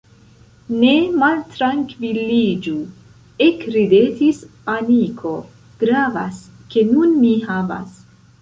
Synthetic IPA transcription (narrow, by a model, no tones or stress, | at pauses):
ne̞maltɾaŋkvilid͡ʒu | ekɾidetis | amikʰo̞ | ɡ̥ɾava̰ske̞nunmihava̰s